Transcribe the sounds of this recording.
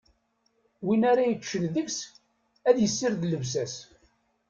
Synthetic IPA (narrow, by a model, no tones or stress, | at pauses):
winaɾajəkːʃːənðəks | æðjəsːɪɾðləvs̬æs